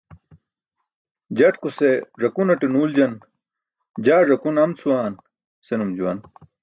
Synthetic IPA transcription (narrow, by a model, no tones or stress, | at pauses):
d͡ʑɐʈkuseʐɐkunɐʈinuːld͡ʑɐn | d͡ʑaːʐɐkunɐmt͡sʰuwaːn | senumd͡ʑuwɐn